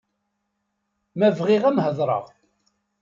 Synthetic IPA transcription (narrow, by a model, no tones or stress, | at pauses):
mævʁiʁæmhəðˤɾˤə̰ʁ